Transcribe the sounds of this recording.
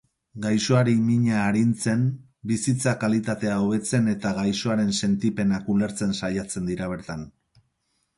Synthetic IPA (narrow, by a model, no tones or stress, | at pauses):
ɡajso̞aɾimiɲaːɾint͡se̞n | bisit͡sakalit̪at̪e̞aoβe̞t͡se̞ne̞t̪aɣajso̞aɾe̞nse̞nt̪ipe̞nakule̞ɾt͡se̞nsajat͡se̞nd̪iɾaβ̞e̞ɾt̪an